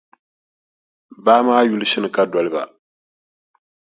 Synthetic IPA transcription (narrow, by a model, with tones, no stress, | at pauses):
baː˦maː˦ju˦li˦ʃɪ˦nɨ˨ka˦dɔ˨lɪ˦ba̰˨